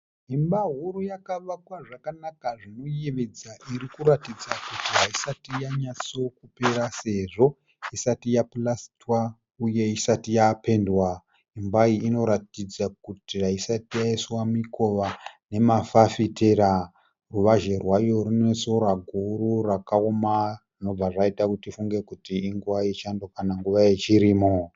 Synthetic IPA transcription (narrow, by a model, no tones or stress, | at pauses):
imbaɦuɾujakaʋakwaʐakanakaʐino̞jeʋed͡zaʔirikuɾatid͡zakutiɦaisatijaɲaso̞kupe̞ɾase̞ʐo̞ | isatijaplastwa | uje̞isatijape̞ndwa | imbaiino̞ɾatid͡zak̚utiraisatijaiswamiko̞ʋane̞mafafiteɾa | ruʋaʒe̞rwajo̞ɾune̞so̞ɾaɡʱuɾurakaomarino̞b͡vaʐaitakutifuŋɡe̞kutiːŋɡuwait͡ʃando̞kanaŋɡuʋaje̞t͡ʃiɾiːmo